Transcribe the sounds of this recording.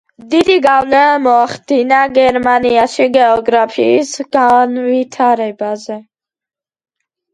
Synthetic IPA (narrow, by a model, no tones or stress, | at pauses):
d̪id̪iɡawləmoxt̪inaɡeɾmanijaʃiɡeoɡɾafisɡanwit̪ʰaɾebaze